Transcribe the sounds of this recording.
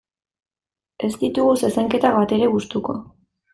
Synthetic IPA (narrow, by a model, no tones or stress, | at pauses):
e̞st̪it̪uɣusesaŋke̞t̪aβat̪e̞ɾe̞ɣust̪uko̞̰